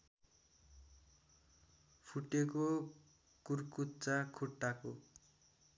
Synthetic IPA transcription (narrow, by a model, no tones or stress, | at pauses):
pʰuʈeko | kurkutt͡sakʰuʈːako